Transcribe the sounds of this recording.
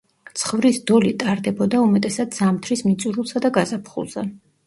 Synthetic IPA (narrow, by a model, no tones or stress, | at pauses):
t̪sʰχvɾisd̪ɔlit̪ʼaɾd̪ɛbɔd̪aumɛt̪ʼɛsad̪z̥amt̪ʰɾismit̪sʼuɾulˠsad̪aɡazapʰχṵlˠz̥ɛ̰